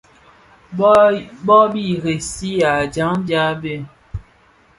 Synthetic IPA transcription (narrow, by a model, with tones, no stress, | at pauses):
bɔ˦bi˦˨ɣe˨si˦a˨d͡ʒa˨˦ŋd͡ʒa˦be˦